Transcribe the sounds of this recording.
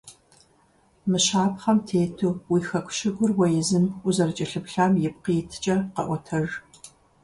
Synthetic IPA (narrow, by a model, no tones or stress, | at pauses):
mɨɕaːpχɐmtʰeːtʰuːwiːxɐkʷʰʼʃɪɡʷʊrwɐjɪzɨmʊzɐrɨt͡ʃʼɐɬɨpɬaːmjɪp̚qiːtʰɨ̥t͡ʃʼɐqɐ̰ʔʷɔtʰɐr